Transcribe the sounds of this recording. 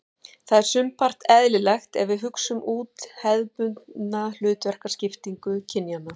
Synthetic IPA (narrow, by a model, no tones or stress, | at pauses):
θaðɛɾ̥sʏmpʰar̥t̪ɛðlɪlɛxt̪ɛ̰vɪðɦʏksʏmʔuːt̪hɛðpʏnt̪nnal̥ʏːt̪vɛr̥kḁscɪft̪iŋkʏcʰɪnjanːa